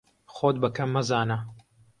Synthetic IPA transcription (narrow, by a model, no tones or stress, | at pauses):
xoːd̪̚bɐkʰɐmːɐzaːnɐ